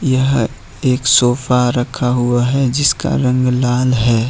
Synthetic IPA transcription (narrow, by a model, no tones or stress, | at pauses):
jəɦ | eːksoːpʰaɾəkʰaɦuaɦɛd͡ʒɪska̰ɾə̃ŋɡlaːlɦɛː